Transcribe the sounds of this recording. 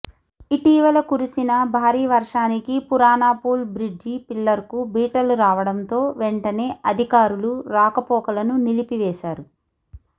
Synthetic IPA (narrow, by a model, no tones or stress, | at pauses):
iʈiːʋɐlɐkuɾisinɐbʱaːɾiːʋɐɾʂaːnikipuɾaːnaːpuːlbɾid͡ʒipilːɐɾkubiːʈɐluɾaːʋɐɽɐnt̪o̞ːʋeɳʈɐne̞ːʔɐd̪ʱikaːɾuluɾaːkɐpɔːkɐlɐnunilipiʋɛːʃaːɾu